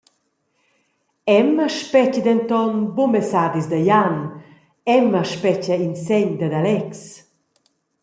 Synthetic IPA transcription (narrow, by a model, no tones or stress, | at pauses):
ɛməʃpɛcəd̪ɛnt̪ɔnbomɛsad̪izd̪ajan | ɛməʃpɛcainsɛɲd̪əd̪alɛks